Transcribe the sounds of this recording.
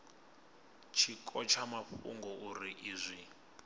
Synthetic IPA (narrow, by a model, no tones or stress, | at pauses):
t͡ʃʰikʰʼɔt͡ʃʰamaɸṵŋɡɔʔuɾiʔiːzʷi